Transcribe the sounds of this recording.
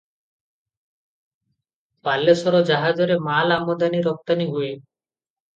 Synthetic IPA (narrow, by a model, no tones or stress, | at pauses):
palːesɔɾɔd͡ʒaɦad͡ʒɔɾemalamɔd̪aniɾɔk̚t̪aniɦue